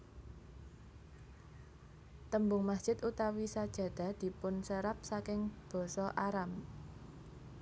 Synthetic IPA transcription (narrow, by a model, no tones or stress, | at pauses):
t̪əmbʊŋmasd̥ʒ̥ɪ̤t̪ut̪awisad̥ʒ̥ä̤d̪̥ä̤d̪̥i̤pʊnsəɾap̚sakɪŋb̥ɔ̤sɔʔaɾam